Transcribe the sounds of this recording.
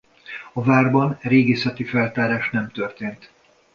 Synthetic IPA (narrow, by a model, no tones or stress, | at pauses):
ɒvaːrbɒnɛɾeːɡeːsɛt̪ifɛlt̪aːɾaːʃnɛmt̪ørt̪eːnt̪